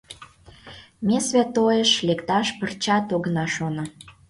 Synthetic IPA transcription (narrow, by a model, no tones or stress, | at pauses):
mʲesvʲæt̪ojəʃlekt̪ɑʃpərt͡ɕɑt̪oɣnɑʃonə̆